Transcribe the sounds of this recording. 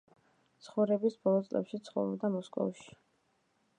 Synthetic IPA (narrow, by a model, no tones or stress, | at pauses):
t̪sʰχɔvɾɛbisbɔlˠɔt̪sʼlɛ̰pʃit̪sʰχɔ̰vɾɔbd̪amɔskʼɔ̰vʃi̥